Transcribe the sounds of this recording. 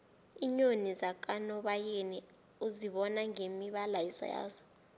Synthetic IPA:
iɲonizak̬ʼanɔɓajeni | uziɓɔnaŋemiɓalajisɔ̰ja̰ːzɔ̥

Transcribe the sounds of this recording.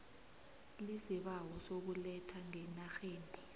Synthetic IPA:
lisiɓawɔsok̬ulɛtʰaŋɛnaxeːndʱi

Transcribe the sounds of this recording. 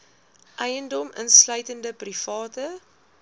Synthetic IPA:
ʔɛjəndɔmʔə̰nslœɥtəndəprifɑːtə

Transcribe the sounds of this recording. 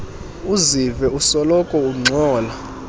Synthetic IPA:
uzivɛusɔlɔkʼɔuŋ͡ǀʱɔːla

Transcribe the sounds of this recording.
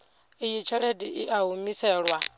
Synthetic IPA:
ijit͡ʃʰɛɺediʔiʔaɦumisɛːɺwa

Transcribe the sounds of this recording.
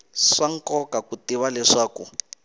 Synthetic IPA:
ʂaŋ̩kɔkakutiwalɛʂaːku

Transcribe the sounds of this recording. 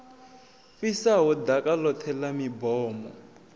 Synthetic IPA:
fisaɦɔd̪akʼalɔt̪ʰɛlamibɔːmɔ̰

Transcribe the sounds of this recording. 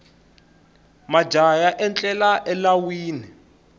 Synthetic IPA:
mḁd͡ʒʱajaʔɛnt͡ɬʼɛlaʔɛlawiːni

